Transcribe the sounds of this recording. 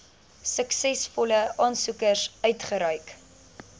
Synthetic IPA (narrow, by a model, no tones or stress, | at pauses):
səksɛsfɔləʔɑːnsukərsœɥtχəɾœɥk